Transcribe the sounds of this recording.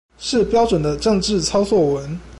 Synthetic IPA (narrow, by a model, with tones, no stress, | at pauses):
ʂɻ̩˥˩pjɑ˥ʊʈ͡ʂwə˨˩nd̪ə˦ʈ͡ʂɤ˥˧ŋʈ͡ʂɻ̩˥˩t͡sʰɑ˥ʊt͡swɔ˥˩wə˧˦˥n